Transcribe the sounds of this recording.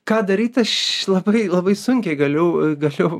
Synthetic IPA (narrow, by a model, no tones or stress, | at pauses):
kɑːd̪ɐɾʲiːt̪ɐʃlˠɐbɐɪlˠɐbɐɪsʊŋʲkʲɛɪɡɐlʲɛʊɡɐlʲɛʊ